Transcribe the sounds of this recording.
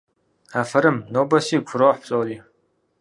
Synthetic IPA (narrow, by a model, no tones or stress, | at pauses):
aːfɐɾɨmnoːbɐsiːkʷʰʊɾoːħpɕʼoːliː